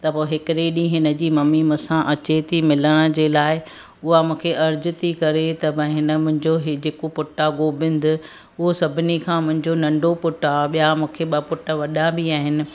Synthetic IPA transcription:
t̪ɐpoɦɪkɪɾeɗĩɦɪnə̆d͡ʑiːmɐmimũsãʔɐt͡ɕet̪ʰimɪləɽ̃ə̆d͡ʑeːlaːɪ | ʊɦamũːkʰeʔɐɾd͡ʑɪ̆t̪ʰikɐɾet̪ɐbɐ̃ɦɪnə̆mʊ̃ɦɪ̃ɲd͡ʑoɦɪd͡ʑeːkopʊʈaɡoːbɪ̃nd̪ɪ | ʊɦosɐbʱɪnikʰãːmʊ̃ɦɪ̃ɲd͡ʑonɐ̃ɳɖopʊʈaɓijamũːkʰeɓɐpʊʈəʋɐɗabiaːɦɪnɪ̆

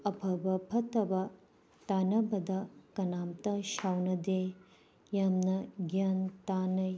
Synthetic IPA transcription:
ɐbʰʱɐbɐbʰʱɐt̪ɐbɐ | t̪aːnɐbʱɐd̪ɐkɐnaːmt̪ɐʃawnɐd̪e | jɐmnɐɡjant̪aːnɐ

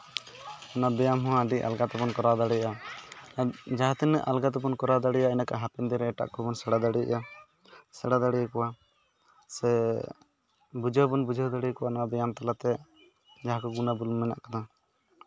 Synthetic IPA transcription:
nabɛjamɦɔɦãɖiʔa̰lɡat̪ɔbɔnkɔɾad̪aɽɛaa | d͡ʒaɦãt̪ɛnɛ̰ʔalɡat̪ɛbɔnkɔɾad̪aɽɛjaɛnakaɦapɛnd̪ɛɾɛːʈa̰ʔkɔbɔnsɛɽad̪aɽia̰ʔa | sɛɽad̪aɽijkɔwa | sɛ | bud͡ʒɔbɔnbud͡ʒʱɔd̪aɽikɔwanaabɛjamt̪alat̪ɛ | d͡ʒaɦakɔɡunabulmɛna̰ʔkad̪a

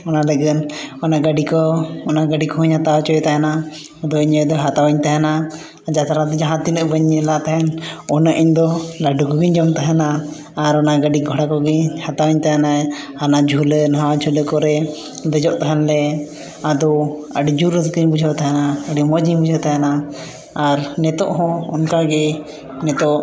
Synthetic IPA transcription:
ɔnaləɡənɔnaɡaɖikɔːnaɡaɖikɔɦuɲhat̪awt͡ʃɔjɛt̪aɦɛna | d̪ɔiɲəd̪ɔɦat̪awaɲt̪aɦɛna | d͡ʒat̪aɾad̪ɔd͡ʒaɦãt̪inəʔbəɲːɛlat̪aɦɛnɔnəʔiɲd̪ɔlaɖukɔɡiɲd͡ʒɔmt̪aɦɛnaː | ɾɔnaɡaɖiɡʱɔɽakɔɡiɲhat̪awaɲt̪aɦɛna | anad͡ʒʱulɛnɦawad͡ʒʱulɛkɔɾɛ | bɛd͡ʒɔʔt̪aɦɛnlɛ | ad̪ɔəɖid͡ʒuɾt̪kiɲbud͡ʒʱɔʔt̪aɦɛnaəɖimɔd͡ʒiɲbud͡ʒʱɔt̪aɦɛnaː | ɾnɛt̪ɔʔɦɔ̃ɔnkaɡɛ | nɛt̪ɔʔ

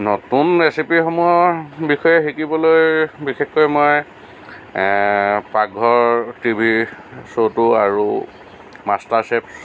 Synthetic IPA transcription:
notunɹesipixɔmujɔbixɔjɛxikibɔlojbixexkojmɔj | pakːɔɹtibʱisotʊaɹu | mastaɹseps

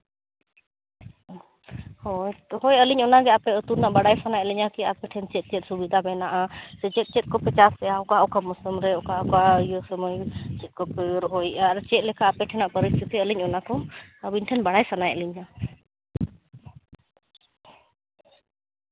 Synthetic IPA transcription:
hɔjt̪hɔjəliɲɔnaɡɛapɛət̪uɾnaʔbaɽajpʰanajʔliɲakiapɛʈʰɛnt͡ʃɛt̪̚t͡ʃɛt̪̚subid̪ʱamɛnaʔasɛt͡ʃɛt̪̚t͡ʃɛt̪̚kɔpɛt͡ʃaspɛjaɔkaɔkamɔsəmɾɛɔkakajɔsəməjt͡ʃɛt̪̚kɔpɾɦɔjaɾt͡ʃɛt̪̚lɛkʰaːpɛʈʰɛnaʔpəɾist̪ʰit̪iəliɲɔnakɔəbinʈʰɛnbaɽajsʰanajʔliɲa

